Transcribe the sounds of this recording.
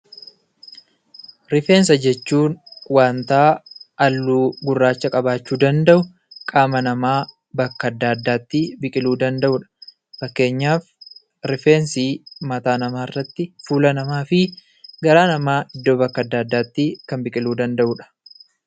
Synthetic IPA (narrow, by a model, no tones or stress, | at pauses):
ɾɪfe̞ːns̬ɐd͡ʒɛt͡ʃːuːnwaːnt̪aːɐlːuːɡʊrːaːt͡ʃːɐkʼɐbaːt͡ʃːuːd̪ɐnd̪ɐʔʊ | kʼaːmɐnɐmaː | bɐkːɐd̪ːaːɐd̪ːaːt̪ːɪbɪkʼɪluːd̪ɐnd̪ɐʔʊᶑɐ̥ | fɐkːe̞ːɲːaːf | ɾɪfe̞ːnsiːmɐt̪aːnɐmaːɪrːɐt̪ːɪfuːlɐnɐmaːfɪ | ɡɐɾaːnɐmaːɪd̪ːo̞ːbɐkːɐɐd̪ːaːd̪ːaːt̪ːɪkɐnbɪkʼɪluːd̪ɐnd̪ɐʔʊᶑɐ̥